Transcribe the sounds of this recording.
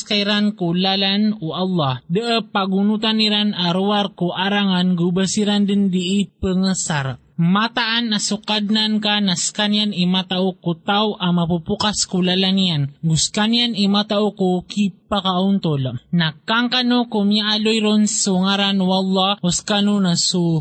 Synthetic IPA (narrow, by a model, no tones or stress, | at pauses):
skajɾankulalanuʔɑlːɑhd̪əʔəpaɡunut̪aniɾanaɾuaɾkoʔaɾaŋanɡubəsiɾand̪ɪnd̪iʔːpəŋəsaɾaʔmat̪aʔanasʊkad̪̚nankanaskanjanimat̪aʔokut̪awʔamapupukaskʊlalanijanɡʊskanjanimat̪aʔokokipakaʔʊnt̪olanakaŋkanokʊmjaʔalojɾonsuŋaɾanuɑlːɑɡʊskanonasu